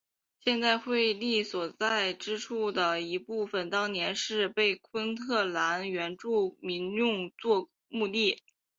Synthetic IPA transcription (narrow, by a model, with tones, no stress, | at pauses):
ɕjɛ˥˧nt͡sa˥˧ɪxwe˥˧ɪli˥˩swɔ˨˩t͡sa˥˩ɪʈ͡ʂɻ̩˥ʈ͡ʂʰu˥˩d̪ə˩i˧˥pu˥˩fə˨˩nt̪ɑ˥ŋnjɛ˧˥nʂɻ̩˥˧pe˥˩ɪkʰwə˥nt̪ʰɤ˥˩la˧˥nɥɛ˧˥nʈ͡ʂu˥˩mi˧˥ŋjʊ˥˧ŋt͡swɔ˥˧ | mu˥˧t̪i˥˩